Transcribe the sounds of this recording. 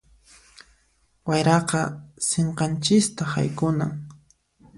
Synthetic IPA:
wajɾɑqɑseɴqɑnt͡ʃɪst̪aha̰jkʊnaŋ

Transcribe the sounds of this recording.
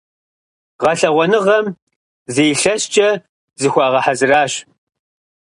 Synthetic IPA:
ʁɐɬɐʁʷɔnɨʁɐm | zejɬɐst͡ʃʼɐ | zɨxʷɑːʁɐħazɨraːɕ

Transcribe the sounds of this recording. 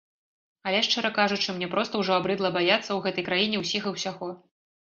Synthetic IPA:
ɐlʲɛʂt͡ʂɛɾɐkaʐut͡ʂɨmnʲɛpɾɔst̪ɐwʐɔabɾɨd̪lˠɐbajat̪sːɐwɣɛt̪ɐjkɾajinʲɛwsʲiɣɐwsʲaɣɔ

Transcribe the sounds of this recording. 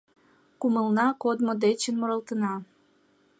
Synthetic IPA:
kuməlnɑkod̪mod̪et͡ɕənmoɾəlt̪ənɑ

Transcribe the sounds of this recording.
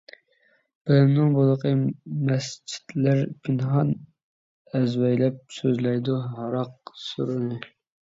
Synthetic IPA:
b̥ɪlɪmnɪŋbolˠəqəmɛst͡ʃʰi̥t̪læɾpʰɪnɦɑn | ɛzwɛjlɛp̚søzlɛjd̪uɦɑɾɑq̚suɾɨnɨ

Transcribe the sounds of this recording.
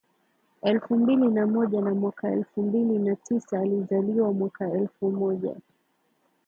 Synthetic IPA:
ɛlfumbilinamɔʄanamwakaɛlfumbilinatʰisaːlizaliwamwakaɛlfumɔʄa̰

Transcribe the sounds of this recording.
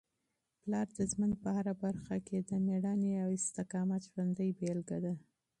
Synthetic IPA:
plɑɾd̪əʒmənd̪̚pəhaɾabaɾxakʰed̪əmeɽɑneawɪst̪ɪkɑmat̪ʒwand̪əjbelɡad̪a

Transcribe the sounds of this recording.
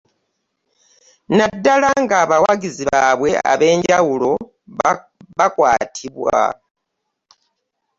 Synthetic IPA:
nadːalaŋɡaːβawaɡiziβaβwe̞a̰βe̞ːɲɟawulo̞ | βakwaːtʰiβwa̰

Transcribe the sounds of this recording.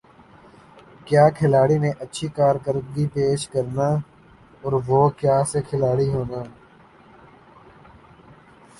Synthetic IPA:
kjaːkʰɪlaːɽinẽʔətːʃʰikaːɾkəɾd̪ɡipeːʃkəɾnaː | ɔːɾʋoːkjaːsekʰɪlaːɽiɦoːnaː

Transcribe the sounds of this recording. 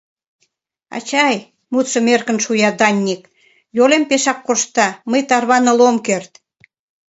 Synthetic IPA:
ɑ̰t͡ɕɑj | mut̪sə̆merkə̆nʃujɑd̪ɑnʲːik | jolempeʃɑkːoʃt̪ɑməjt̪ɑrβɑnə̆lomkert̪

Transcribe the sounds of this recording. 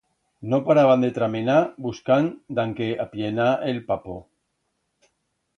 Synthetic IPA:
nopaɾaβand̪et̪ɾamenabuskand̪aŋkeʔapjenaelpapo

